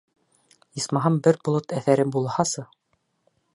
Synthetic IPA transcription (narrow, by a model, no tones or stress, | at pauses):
ismɑɦɑmbɘɾbŏlˠot̪æθæɾɘbulˠhɑsɤ